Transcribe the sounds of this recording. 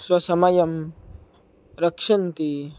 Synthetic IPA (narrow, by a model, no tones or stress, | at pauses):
swɐsɐmajɐm | ɾɐkʂɐnt̪i